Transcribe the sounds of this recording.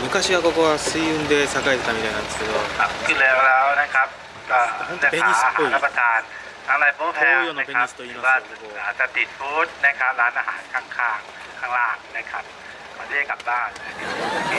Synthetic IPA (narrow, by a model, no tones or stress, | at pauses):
mɯ̟kaɕiβakokoβasɯiɯnd̪esakaet̪et̪ːamit̪ajnãnd̪esɨ̥ke̞d̪okʰap̚kʰɯlɛːlɛːwnajkʰap̚ | aːlapeɲaːisɦaːapɾat̪ʰaːn | t̪ʰaŋlajbopʰɛjoːnapeaɲist̪oiːmaaoaːsat̪it̪̚ʰuːt̪̚najkʰap̚ɾaːnʔaɦa̰ːnkʰaŋkʰaːŋ | kʰaːŋlaːnnakʰap̚ | kʰɔd̪ɯajkap̚baːnakʰa